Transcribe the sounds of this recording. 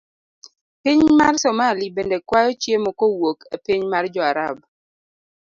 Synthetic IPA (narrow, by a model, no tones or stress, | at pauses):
pɪɲmarsɔmalibendɛkwajɔt͡ʃjemɔkowokepɪɲmard͡ʒɔaɾab̚